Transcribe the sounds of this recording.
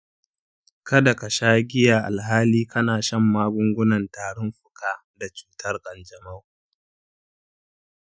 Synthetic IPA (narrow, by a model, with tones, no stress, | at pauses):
kɐ˦da˨ka˨ʃaː˦ɡʲɪ˦jaː˨ʔa˨lɦaː˦liː˦kʰɐ˦naː˨ʃɐ˦˨mːaː˦ɡʷʊ˦ŋɡʷʊ˦nɐ˨ntaː˨ɽʊ˦mɸʊ̥˨kʰaː˦ | da˨t͡ʃu̥ː˦tʰɐ˦rkʼɐ˨nd͡ʒɐ˨ma˦˨w